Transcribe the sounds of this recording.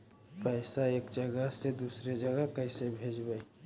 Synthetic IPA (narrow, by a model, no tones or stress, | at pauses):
pəɪsaeːkd͡ʒəɡəsed̪uːsɾed͡ʒəɡəkəisebʱeːd͡ʒbəj